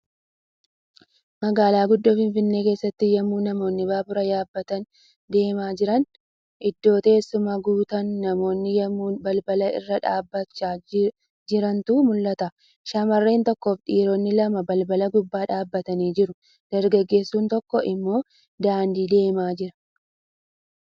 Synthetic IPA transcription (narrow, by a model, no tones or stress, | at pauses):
mɐɡaːlaːɡʊd̪ːoːfɪnfɪnːe̞ːke̞ːsːɐt̪ːɪjɐmːuːnɐmo̞ːnːɪbaːbʊɾɐjaːbːɐt̪ɐn | d̪e̞ːmaːd͡ʒɪɾɐn | ʔɪd̪ːo̞ːt̪e̞ːsːʊmɐɡuːt̪ɐnːɐmo̞ːnːɪjɐmːuːnbɐlbɐlɐɪ̰rːɐᶑaːbːɐt͡ʃːaː | d͡ʒɪɾɐnt̪ʊmʊlːɐt̪ɐ | ʃɐmɐrːe̞ːnt̪ɔkːo̞ːft̪ʼiːɾɔnːɪlɐmɐbɐlbɐlɐɡʊbːaːᶑaːbːɐt̪ɐniːd͡ʒɪɾʊ | d̪̥ɐɾɡɐɡːe̞ːsːuːnt̪ɔkːɔʔɪmːo̞ː | d̪aːnd̪iːd̪e̞ːmaːd͡ʒɪɾɐ̥